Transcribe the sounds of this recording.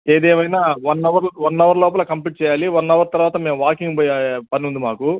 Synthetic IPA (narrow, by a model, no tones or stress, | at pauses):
eːd̪eːmɐjnaːʋɐnːɐʋɐɾlʋɐnːɐʋɐɾlɔːpɐlɐkɐmpiʈ̚t͡ʃɛːjaːliʋɐnːɐʋɐɾt̪ɐɾʋaːt̪ɐme̞ːmʋaːkiŋɡppɐnund̪imaːku